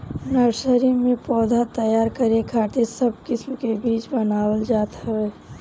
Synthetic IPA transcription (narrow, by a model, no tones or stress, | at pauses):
nəɾsəɾimẽpɔːd̪ʱat̪əjaːɾkəɾekʰaːʈ̪esəb̚kɪsmkebiːt͡ʃbənaːwəld͡ʒaːt̪əɦɛː